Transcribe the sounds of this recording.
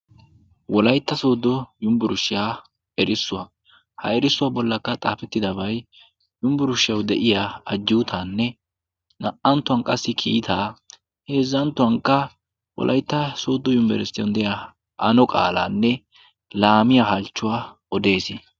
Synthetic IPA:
wɔlɐjt̪ːɐso̞ːd̪ɔjʊmbʊɾʊʃɪjaː | ɛɾɪsːʊwɐ | hɐ̰ɛɾɪsːʊwabɔlːɐkːɐt̪ʼa̰ːfɛt̪ːɪd̪ɐbɐj | jʊmbʊɾʊʃɪjɐwd̪ɛʔɪjaːɐd͡ʒːɪwʊt̪ʰanːɛ | nɐʔɐnt̪ːʊwɐŋkʼɐsːɪkʰiːt̪ʰaː | he̞ːzːɐnt̪ːʊwɐŋkːɐ | wɔ̰lʔɐ̰jt̪ːɐsoːd̪ːɔjʊmbɛ̰ɾsɪjɔ̰nd̪ɛja | ʔɐnɔkʼa̰ːlaːnːɛ | laːmɪjahɐlt͡ʃːʊwaː | ɔd̪e̞ːsɪ

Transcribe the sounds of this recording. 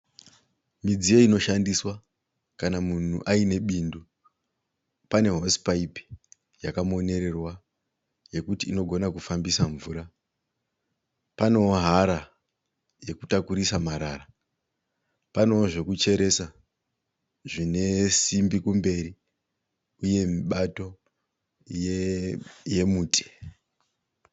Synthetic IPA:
mid͡zijo̞ino̞ʃandiswa | kanamun̤ṵʔaine̞ɓiːndu | pane̞ɦo̞spaipi̥ | jakamuo̞ne̞ɾe̞rwa | je̞kutiːno̞ɡʱo̞nakufambisaɱvuɾa | pano̞oɦaɾa | je̞kutakuɾisamaɾara | pano̞ʐe̞kut͡ʃe̞ɾe̞sa | ʐine̞simbikumbe̞ri | uje̞miɓato̞ | je | je̞muːtʰe̥

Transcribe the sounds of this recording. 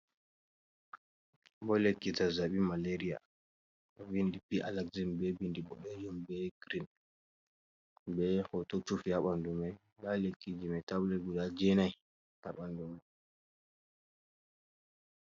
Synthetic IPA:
bɔlekːitazaɓimaleɾija̰ | ɔbindipiʔa̰laɡzinbɛbindibɔ̰ɗɔjɔmbɛɡɾin | bɛkɔtɔt͡ʃufihaɓandumaj | lalekːid͡ʒimɛtablɛɡudad͡ʒɛnaj | ha̰ɓandumaj

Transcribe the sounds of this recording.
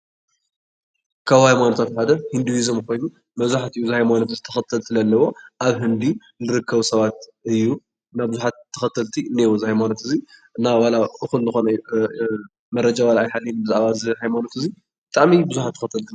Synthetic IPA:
kʰaβhajmanot̪ʰat̪ħad̪ɐhind̪uwizomkʰo̞jnu | mɐβzuħat̪ijuzɨhajmanot̪ɨzit̪ʰɐxɐt̪ʰːɐlsɨlɐlːɐwo̞ʔaβɦɨnd̪i | nɨɾɨkʰːɐβusɐβat̪̚ɨjːu | naβbɨzuħat̪ʰːɐxɐt̪ʰːɐlt̪ʰinewozɨhajmanot̪ɨziɨnːawalaʔɨxulnɨxo̞nɐju | mɐɾɐd͡ʒawalaːjħalːijnbɨzɨaβazɨhajmanot̪ɨzi | b̥ɨt̪ʼaʔmibɨzuħat̪ʰːɐ̥xɐt̪ʰɐlt̪ʰin

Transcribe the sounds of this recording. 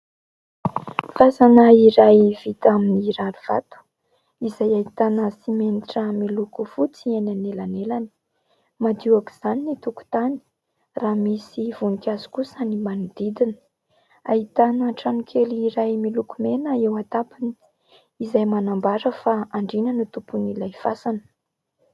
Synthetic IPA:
fazanəiɾajvit̪aminiɾaɾuv̥at̪u̥ | izajait̪anəsimeniʈ͡ʂəmilukufut͡sienanelanelani̥ | mad̪iaki̥z̥aninit̪uku̥t̪ani̥ | raːmisivunikʲazu̥kusənimanud̪id̪inə̥ | a̰it̪anəʈ͡ʂanukʰeliiɾajmilukumenəewat̪apini̥ | izajmanambaɾəfaaɳɖ͡ʐinənut̪upunilajfasanə̥

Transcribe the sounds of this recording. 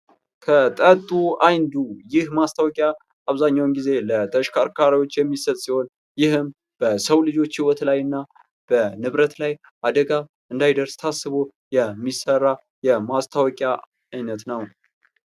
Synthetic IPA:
kʰət̪ʼət̪ʼuajnd̪ujɪhmast̪ʰawɔkʼja | aβzaɲːawnɡize̞lət̪ʼəʃkʰaɾkʰaɾawo̞t͡ʃːjɛmːisət̪ʼsiho̞n | jɪhɨm | b̥əsəwlɨd͡ʒo̞t͡ʃːhiwɔt̪lajɨnːa | b̥ənɨβɾət̪laj | ʔad̪əɡa | ʔɨnd̪ajd̪əɾst̪ʰasɨβo | jɛmːisərːa | jɛmast̪ʰawɔkʼja | ajnət̪nəw

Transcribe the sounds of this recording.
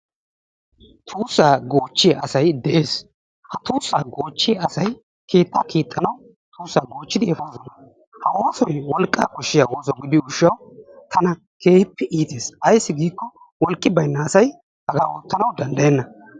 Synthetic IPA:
t̪ʰuːsːaːɡoːt͡ʃːɪjʔɐsɐjd̪ɛʔe̞ːs | hɐt̪uːsːaːɡo̞ːt͡ʃːɪjɐsɐj | kʰeːt̪ːaːkiːt̪ʼːɐnɐw | t̪uːsːaːɡo̞ːt͡ʃːɪd̪ɪɛfoːsɐnɐ | hɐʔo̞ːsɔjwɔlkʼːa̰ːkɔʃːɪjaːoːsɔɡɪd̪ɪʊʃːɐwt̪ʰɐnɐ | ke̞ːhɪpːɛʔiːt̪e̞ːsɐjsːɪɡiːkːɔ | wɔlkʼːɪbɐjnːɐːsɐj | hɐɡaːwot̪ːɐnɐwd̪ɐnd̪ɐjɛnːɐ

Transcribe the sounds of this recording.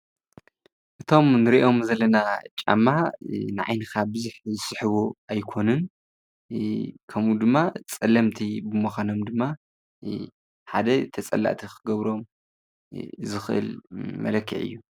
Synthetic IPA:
ʔɨt̪ʰo̞mnɨɾiʔo̞mzɐlːɐnat͡ʃʼa̰mːanɨʕa̰jnɨkʰabɨzuħzɨsɨħɨβuajkʰo̞nɨn | kʰɐmud̪ɨmːat͡sʼɐlːɐmt̪ʰibɨmoxʷano̞md̪ɨmːa | ħad̪ɐt̪ʰɐt͡sʼɐ̰lːa̰ʔt̪ʰikʰɨɡɐβɾo̞m | zɨxɨʔɨ̰lmɐ̰lɐkʰːḭʕɨ̰jːu

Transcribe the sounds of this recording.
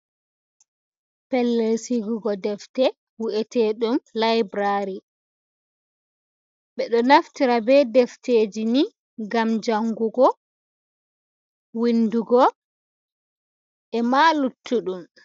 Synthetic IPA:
pɛlːesiɡuɡɔdɛftɛ | wuʔɛtʰeɗumlajbɾaɾi | ɓɛɗɔnaftiɾabɛdɛfteːd͡ʒini | ɡamd͡ʒaŋɡuɡɔ | winduɡɔ | ʔɛmalutʰːuɗum

